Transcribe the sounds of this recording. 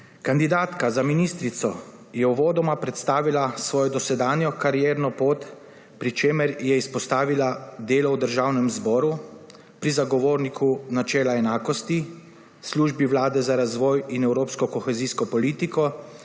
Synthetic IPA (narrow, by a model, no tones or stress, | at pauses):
kand̪id̪aːt̪kazaminiːst̪ɾit̪sɔ | jɛuʋoːd̪ɔmapɾɛt̪st̪aːʋilasʋɔːjɔd̪ɔsɛd̪aːnjɔkaɾijɛːɾnɔpoːt̪ | pɾit͡ʃeːməɾjɛispɔst̪aːʋilad̪eːlɔwd̪əɾʒawnɛmzbɔːɾu | pɾizaɡɔʋoːɾnikʰunat͡ʃɛːlaɛnaːkɔst̪i | sluːʒbiwlaːd̪ɛzaɾazʋɔːjinɛwɾoːpskɔkɔxɛziskɔpɔliːt̪ikɔ